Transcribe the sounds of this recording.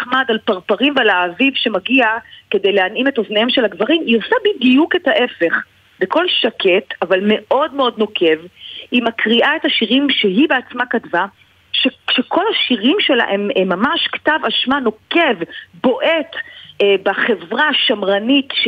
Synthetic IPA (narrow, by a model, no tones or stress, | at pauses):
χmadalpaʁpaʁimvealaːvivʃe̞maɡiake̞dejleanimetoznejemʃe̞laɡvaʁimiosabidijuke̞taʔe̞fe̞χ | beko̞lʃakʰetavalme̞ʔo̞dmeo̞d̚no̞kʰe̞vhimakʁiʔae̞thaʃiʁimʃeɦibeat͡smakatva | ʃeʃekʰo̞lhaʃiʁimʃe̞la̰ʔememːamaʃktavaʃmano̞kevbo̞ʔe̞tbaχe̞vʁaʃamʁanitʃ